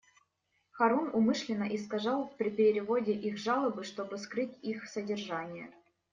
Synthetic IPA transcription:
xɐɾunʊmɨʂlʲɪnːəʔɪskaʐɑlˠfpɾʲɪpʲɪɾʲɪɾʲɪvodʲɪʔixʐɑlˠəbɨʂt̪o̞bɨskɾɨtʲixsədʲɪrʐanʲɪjə̰

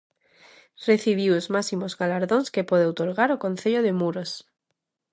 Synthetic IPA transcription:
reθiβ̞iwozmasimozɣalaɾðonskepweðeowt̪oɾɣaɾokõ̞n̟θeʎoðemuɾos

